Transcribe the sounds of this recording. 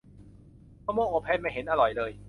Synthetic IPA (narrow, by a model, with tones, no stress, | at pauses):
kaː˧˩moː˥˩ʔoː˧pʰɛː˧˥˩nma˥˩jɦe˩˦nʔa˧ɾɔ˨˩jlɤː˧j